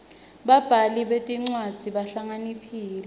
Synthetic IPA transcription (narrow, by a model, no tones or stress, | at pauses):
ɓab̥ʱaliɓetʼiŋ͡ǀwad̥z̥ʱiɓaɬaŋanipʰiːlɛ